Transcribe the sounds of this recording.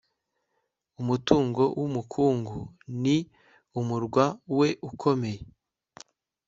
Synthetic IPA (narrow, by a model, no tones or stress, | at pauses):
umutuːŋɡo̞wʔumukʰuːŋɡuni | umuɾɡwawe̞ʔukʰo̞me̞je